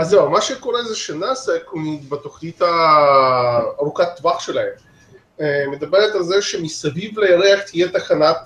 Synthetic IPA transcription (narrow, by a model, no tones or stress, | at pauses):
azewamaʃeko̞ɾezeʃenasekumibat̪o̞χnit̪ha | ɾukat̪ːvaχʃe̞lahem | me̞d̪abeɾet̪alzeʃemisavivlejaɾeaχt̪ijet̪aχanat